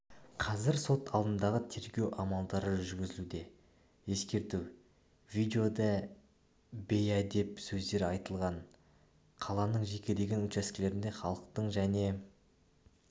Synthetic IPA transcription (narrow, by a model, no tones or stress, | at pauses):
qʰɑzɪɾso̞t̪ʰɑlˠd̪ənd̪ɑʁət̪ʰe̞ɾɡʲe̞wʔɑmɑlˠd̪ɑɾəʒʏɾɡʲɪzɪlud̪e̞ | je̞skʲe̞ɾt̪uw | vid̪eo̞d̪ɑ | bejæd̪e̞psɵzd̪e̞ɾɑjt̪əlˠʁɑɴ | qʰɑlˠɑnəɴʒe̞kʲe̞d̪e̞ɡʲe̞nɵt̪ʃæskʲɪle̞ɾɪnd̪e̞χɑlˠəq̚t̪əɴʒæne̞